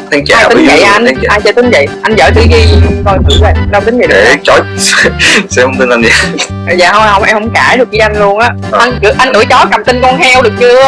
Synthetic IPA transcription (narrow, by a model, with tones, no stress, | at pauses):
t̪ʰi˨˦ŋt͡ɕaː˧jt̪ï˨˦ŋ˦zə̰˧˨jʔa˧n˦ʔaː˧jəː˧˨˦t̪ï˨˦ŋ̟və̰˧˨jʔa˧jnzəː˧˩jt̪ʰɨ˧˦ki˧kɔ˧˩nkɨ̰˧˩˦va˨˩ɗə˧wt̪ŋ̟zə̰˨e˨˧˩t͡ɕɔ˨˦jssɛ˧˥ho˧wŋ͡mt̪i˧nʔa˧njaː˧˨˩ | za̰ː˧˨˩ho˧hə˧wŋ͡mʔɛ˧mhə˧˦wŋ͡mkaː˧˩ɗɨ˨˩ək̚ɣi˨˧˦ʔa˧jn̟lu˧ənʔaː˨˦˥ | ʔa˧nkɨ˨˧˩ʔa˧nkɨ̰˧˩˦t͡ɕɔ˨˦ka˨˩mt̪i˧nkɔ˧nɦɛ˧wɗɨ˨˩ək̚t͡ɕɨ˧ə